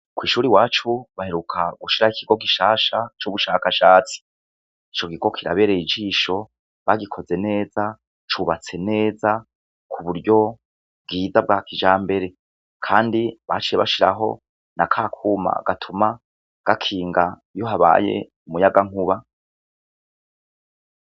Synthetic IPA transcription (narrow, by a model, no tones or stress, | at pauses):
kwiːʃuːɾiwaːt͡ʃuβahe̞ɾukʰaɡuʃiɾaikʰiɡo̞ɡiʃaːʃat͡ʃuβuʃakaʃaːt͡si̥ | it͡ʃo̞ɡiɡo̞kʰiɾa̰βe̞ːɾeid͡ʒiːʃo̞ | βaɡikʰo̞ze̞ne̞ːza | t͡ʃuβat͡se̞ne̞ːza | kʰuβuɾɟo̞ | b̚ɡiːzab̚ɡaːkid͡ʒaːmbe̞ɾe̞ | kʰaːndiβat͡ʃijeβa̰ʃiɾa̰ɦo̞̰ | nakʰakʰuːma̰ɡ̥atʰuma | ɡ̥akʰiːŋɡa | jo̞ɦaβa̰ːje̞̰ | umujaɡaŋuβa